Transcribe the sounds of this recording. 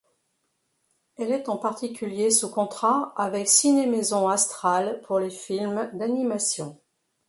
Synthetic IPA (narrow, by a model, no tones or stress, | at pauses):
ɛlɛt̪ɑ̃paʁt̪ikʲyljesukɔ̃t̪χaavɛksinemezɔ̃ast̪χalpʰuʁlefilmd̪animasjɔ̃